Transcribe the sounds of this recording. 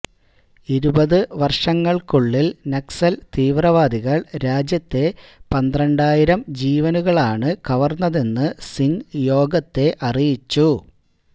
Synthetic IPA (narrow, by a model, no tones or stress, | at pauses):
iɾubɐðɨʋɐrʂɐŋːɐɭkuɭːilneksɐlt̪iːʋrɐʋaːd̪iɣɐɭɾaːd͡ʑjɐt̪ːe̞pɐnd̪rɐɳɖaːjiɾɐmd͡ʑiːʋɐnuɣɐɭaːɳɨkɐʋɐrnːɐðe̞nːɨsiŋjo̞ːɡɐt̪ːe̞ʔɐrijit͡ɕːu